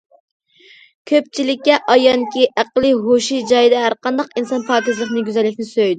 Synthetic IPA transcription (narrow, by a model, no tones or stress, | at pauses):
kʲʰøp̚t͡ʃʰilɪkʲːɛʔɑjɑŋkʲiʔæqlˠɨɦoʃid͡ʒɑjd̪ɛɦæɾqɑnd̪ɑqinsɑnpʰɑːkʲizlˠəχnɨɡʲyzɛlːɪkʲnɪsøjd̪ɪ